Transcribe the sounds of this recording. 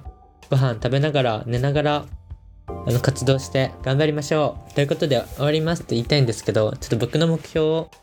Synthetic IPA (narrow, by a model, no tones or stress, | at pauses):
ɡ̥o̞ɦãnt̪abe̞naɡaɾane̞naɡaɾaː | no̞kat͡sɨd̪o̞ːɕi̥t̪e̞ɡ̥ãmbaɾʲimaɕo̞ːt̪ojɯ̟ko̞t̪o̞d̪e̞oaɾʲimasɨ̥t̪ːe̞iːt̪aĩnd̪e̞sɨ̥ke̞d̪o̞t͡ɕot̪ːobo̞kɯ̟no̞mo̞kɯ̟̥çʲjo̞ː